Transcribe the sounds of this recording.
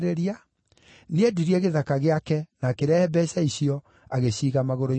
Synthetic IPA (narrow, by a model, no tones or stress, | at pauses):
ɾeɾia | needuɾiɛɣeðakaɣeakɛnakeɾaɛbɛsaiɕiɔ | aɣeɕiːɣamaɣoɾo